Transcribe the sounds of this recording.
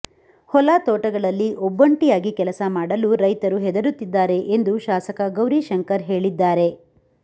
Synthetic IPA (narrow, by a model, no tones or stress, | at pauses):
hɔlat̪ɔːʈɐɡɐɭɐlːiʔɔbːɐɳʈijaːɡikɛlɐsɐmaːɽɐluɾɐjt̪ɐɾuɦɛd̪ɐɾut̪ːid̪ːaːɾe̞ʔend̪uʃaːsɐkɐɡɐwɾiʃɐŋkɐɾɦe̞ːɭid̪ːaːɾe̞